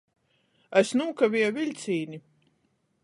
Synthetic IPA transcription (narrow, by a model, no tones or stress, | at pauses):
æsnuːkavʲiɛvilʲt̪sʲiːni